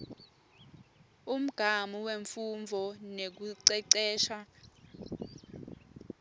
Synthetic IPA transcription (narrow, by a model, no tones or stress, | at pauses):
um̩ɡ̥ʱamuweɱfuɱvʱɔnek̬uǀɛǀɛːʃa